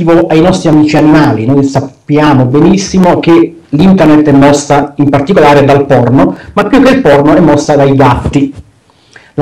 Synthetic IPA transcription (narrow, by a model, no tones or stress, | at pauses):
voʔajnɔst̪ɾiamiːt͡ʃianimaːlinojsapːjaːmobenisːimok̟e | lint̪ernet̪ːɛmːɔsːaimpart̪ikolaːɾed̪alpɔrnomapːjukːelpɔrnoɛmːɔsːad̪ajɡat̪ːi | l